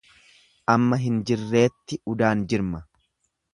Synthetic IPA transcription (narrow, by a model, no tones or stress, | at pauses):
ʔɐmːɐɦɪnd͡ʒɪrːe̞ːt̪ːɪʊd̪aːnd͡ʒɪɾmɐ